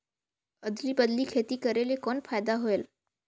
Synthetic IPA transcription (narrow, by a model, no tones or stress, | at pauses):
əd̪libəd̪likʰeːt̪ikəɾelekɔːnpʰaːjd̪aɦoeːl